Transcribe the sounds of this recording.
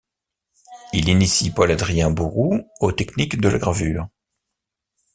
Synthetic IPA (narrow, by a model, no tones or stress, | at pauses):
ilinisipɔlad̪ʁijɛ̃buʁuot̪ɛknikd̪əla̰ɡʁavyːʁ